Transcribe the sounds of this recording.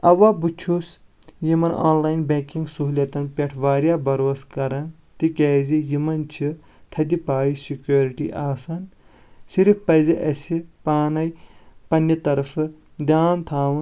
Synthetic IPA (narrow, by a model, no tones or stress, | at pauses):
ɐʋaːbut͡ʃʰus | jimɐna̰ːnlaːjnbeːkĩŋɡsuɦulɐt̪ɐnpʲeʈʰʋaːɾjaːbɐɾoːskɐɾɐn | t̪ikʲeːzijimɐnt͡ʃʰi | t̪ʰɐd̪ipaːjisikjoːɾiʈḭʔaːsɐn | siɾfpɐziʔɐsipaːnɐjpɐnːjɐt̪ɐɾɐfɨ | d̪ʲjaːnt̪ʰaːʋɨ